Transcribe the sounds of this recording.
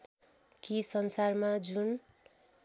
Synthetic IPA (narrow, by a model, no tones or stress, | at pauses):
kisʌnsarmad͡zun